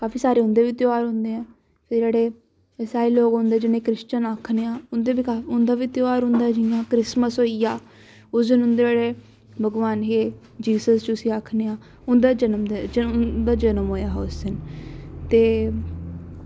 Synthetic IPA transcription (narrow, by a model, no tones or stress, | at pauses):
kaːfiːsaːɾeːɦʊ̃nd̪eːʋiːt̪joaːɾɦʊ̃nd̪eːɛ̃ː | pʰɪɾd͡ʒeːɽeː | əsaːiːloːɡɦõnd̪eːd͡ʒɪneːkɾɪst͡ʃənaːkʰneːãːʊnd̪eːbiːkaːʊnd̪aːʋit̪joaːɾɦʊ̃nd̪aːɛd͡ʒɪjãːkɾɪsməsɦoːijaː | ʊsd̪ɪnɦʊ̃nd̪eːd͡ʒeːɽeː | bʱəɡʋaːnɦeː | d͡ʒiːsəst͡ʃʊsiːakʰneːãː | ʊnd̪aːd͡ʒənəmd̪ed͡ʒəd̪aːd͡ʒənəmɦoːjaːɦʊsɪnt̪eː